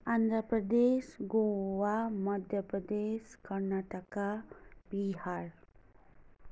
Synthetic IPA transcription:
and̪ʱɾəpɾəd̪eʃɡoʋaməd̪ʱjəpɾəd̪eʃkəɾnaʈəkabihaɾ

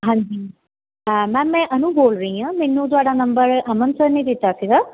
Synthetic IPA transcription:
ɦãːɲd͡ʒiː | mɛ̃ːmɛ̃ːʔənũːboːlɾəĩːãːmɛːnːũːt̪̬ʊaːɽaːnəmbəɾəmənsəɾneːd̪ɪt̪ːaːsiːɡaː

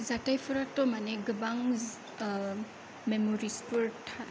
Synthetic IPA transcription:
zatajpʰɔɾatɔmaneɡɯbaŋz | memɔɾispuɾtʰa

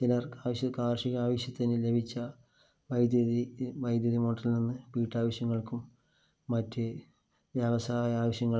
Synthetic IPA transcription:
t͡ɕilɐrkaːʋɐɕjɐkaːrʂiɣɐaːʋɐɕjɐt̪ːinɨle̞bʱit͡ɕːɐ | ʋɐjd̪jɐðiʋɐjd̪jɐðimoːʈːɐlninːɨpiːʈːaːʋɐɕjɐŋːɐɭkumː | ɐtːɨ | ʋjɐʋɐsaːjɐaːʋɐɕjɐŋːɐɭ

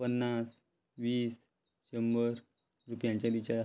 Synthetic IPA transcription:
pənːas | ʋiːs | ɕəmbəɾ | ɾupjãɲt͡ɕjad̪it͡ɕa

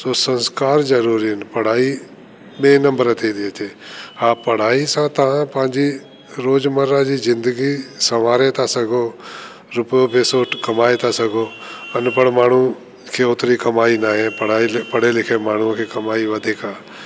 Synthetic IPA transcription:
soːsɐ̃nskaːɾzɐɾuːɾiɦɪnɪ̆pɐɽ̤aːi | ɓẽːnɐ̃mbəɾət̪ʰiːd̪iət͡ʃeːaːpɐɽ̤aːisãt̪ɐʋ̤ãpɐ̃ɦɪ̃ɲd͡ʑi | ɾoːd͡ʒməɾãd͡ʑiːzɪ̃nd̪əɡisɐʋaːɾet̪ʰasɐɡʱoː | ɾʊpəjobeːsoːʈkɐmaːet̪asɐɡʱoːɐnpəɽmaːɳ̤u | kʰeːot̪ɾikɐmaːinaːɦepɐɽ̤aːipɐɽ̤elɪkʰemaːɳ̤ũkʰeːkɐmaːiʋɐd̪ʱiːkaː

